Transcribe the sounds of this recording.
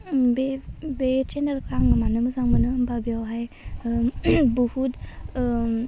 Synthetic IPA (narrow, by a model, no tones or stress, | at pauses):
bebet͡ʃendəlkɾaŋɯmanɯmɯzaŋmɯnɯmbabijawɦaj | buhut